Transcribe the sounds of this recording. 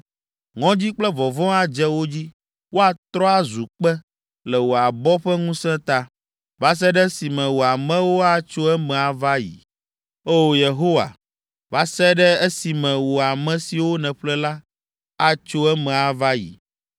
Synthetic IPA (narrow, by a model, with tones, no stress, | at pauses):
ŋɔ̃˦d͡ʑi˦k͡plɛ˦vɔ˨vɔ̃˦a˦d͡ʒɛ˦wo˦d͡ʑi˦ | wo˦a˨t̪ɾɔ˦a˦zu˨k͡pɛ˦ | lɛ˨wo˨a˨bɔ˦ɸɛ˦ŋũ˦sɛ̃˦t̪a˦ | va˦s̬ɛ˦ɖɛ˦si˨mɛ̃˨wo˨a˨mɛ̃˦wo˦a˦t͡ʃo˦ɛ˦mɛ̃˨a˨va˦jḭ˨ | o˦wo˦je˨ɦo˦wa̰˨ | va˦sɛ˦ɖɛ˦ɛ˦si˨mɛ̃˨wo˨a˨mɛ̃˨si˨wo˦nɛ̃˨ɸlɛ˦la˦ | a˦t͡ʃo˦ɛ˦mɛ̃˨a˨va˦jḭ˨